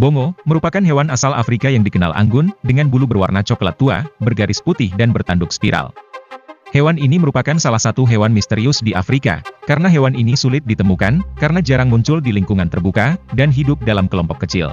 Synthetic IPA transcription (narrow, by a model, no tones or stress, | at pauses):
boŋoməɾupakanɦewanasalʔa̰fɾikajaŋdikəna̰lʔa̰ŋɡʊndəŋanbulubərwa̰rnat͡ʃɔkla̰t̪ːua̰bərɡaɾɪsput̪ɪhdanbərt̪andʊkspiɾa̰l | hewaniniməɾupakansalahsat̪uɦewanmist̪eɾiʊsdiʔa̰fɾika̰kaɾənaɦewaninisulɪt̪̚dit̪əmukankaɾənad͡ʒaɾaŋmuɲt͡ʃʊldiliŋkuŋant̪ərbukadanɦidʊp̚dalamkəlɔmpɔkːət͡ʃɪ̰l